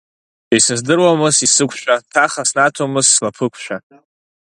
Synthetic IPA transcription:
esɨzdɨrwamɨsisɨkʷʰʃʷᶣʰatʰaχasnatʰomɨzːlapʰɨkʷʰʃʷᶣa

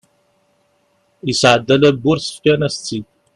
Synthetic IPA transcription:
isʕəd̪ːælæbːuɾsə̥fkʲænæst͡sːi

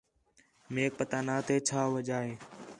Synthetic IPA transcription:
meːk̚pət̪aːnaːt̪eːt͡ʃʰaːʋəd͡ʒaːɦeː

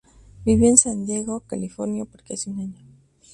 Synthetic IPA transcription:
biβiensand̪jeɣokalifoɾnjapoɾkeaseunaɲo

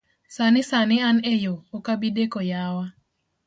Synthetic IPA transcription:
sanɪsanɪanejoːkabidekojawa

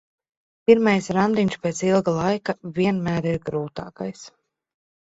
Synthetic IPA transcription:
piɾmajsɾand̪iɲʲʃpet̪silˠɡalˠajkavʲiɛnmæːɾiɾɡɾuːt̪aːkajs

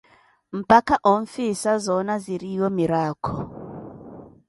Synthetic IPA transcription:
m̩pakaʔoɱ̩fisazɔnaziɾijɔmiɾaːkʰɔ

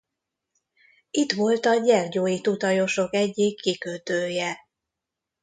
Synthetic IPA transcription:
it̪ʋo̞lt̪ɒɟɛrɟoːjit̪ut̪ɒjo̞ʃo̞kɛɟːikʰːikøt̪øːjɛ

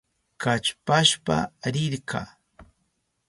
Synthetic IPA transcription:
kat͡ʃpaʃpa̰ɾɪɾkʰa̰ː

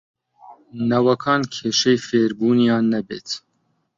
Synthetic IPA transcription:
nɐwɐkʰɑːnkʰeːʃɛjfeːɾbuːnijɑːnːɛbeːt̪

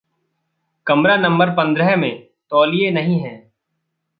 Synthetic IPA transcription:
kɐmɾanɐ̃mbəɾpɐ̃nd̪ɾəɦmẽ | t̪ɔːlijenɐɦĩɦɛ̃ː

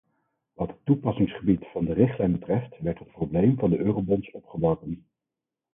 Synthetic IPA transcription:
ʋɑtɦətːupɑsɪŋsχəbitfɑndərɪχtlɛjnbətrɛftʋɛɹtɦət̚prowblejmvɑndəʔøːrowbɔnsɔpχəbɑkən

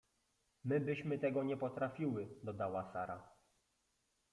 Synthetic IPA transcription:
mɘbɘɕmɘt̪ɛɡɔɲɛpɔt̪ɾafʲiwɘd̪ɔd̪awasaɾa

